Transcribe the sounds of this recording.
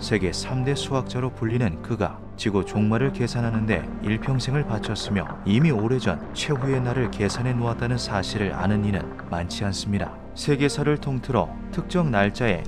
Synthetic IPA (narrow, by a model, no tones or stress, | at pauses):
sʰe̞ɡe̞sʰamde̞sʰuak̚t͡ɕ͈aɾopuʎːinɯnkɯɡa̰ | t͡ɕiɡot͡ɕoŋmaɾɯɭke̞sʰanɦanɯnde̞̰ | iɭpʰjʌŋsʰe̞ŋɯɭpat͡ɕʰʌs͈ɯmjʌ̰imioɾe̞d͡ʑʌ̰nt͡ɕʰwe̞ɸue̞naɾɯɭke̞sʰanɦe̞noat̚t͈anɯnsʰaɕʰiɾɯɾa̰nɯninɯ̰n | mant͡ɕʰians͈ɯmɲida | sʰe̞ɡe̞sʰaɾɯɭtʰoŋtʰɯɾʌ̰ | tʰɯk̚t͡ɕ͈ʌŋnaɭt͡ɕ͈ae̞̰